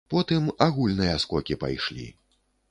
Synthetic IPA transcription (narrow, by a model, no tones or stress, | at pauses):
pɔt̪ɨmaɣulʲnɨjɐskɔkʲipa̰jʂlʲḭ